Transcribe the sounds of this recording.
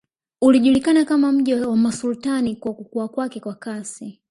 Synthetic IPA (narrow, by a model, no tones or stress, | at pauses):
uliʄulikanakamam̩ʄiwamasultanikwakukuakwakɛkwakasi